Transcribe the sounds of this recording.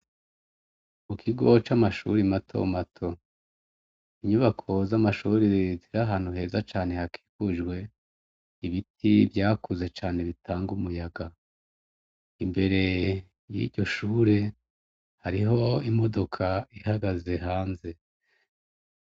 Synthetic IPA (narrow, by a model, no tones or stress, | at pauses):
mukʰiɡo̞t͡ʃamaʃṵɾimatʰo̰matʰo̞ | iɲuβakʰo̞zamaʃuːɾiziɾaɦaːn̥uɦe̞ːzat͡ʃaːne̞hakʰi̥ːkuʒɡwe̞ | iβitʰivɟaːkuze̞t͡ʃaːne̞βitʰaːŋɡumujaɡa | imbe̞ɾe̞ | jḭɟo̞ʃuːɾe | haɾiɦo̞imo̞do̞kʰaihaɡaze̞ɦaːnze̞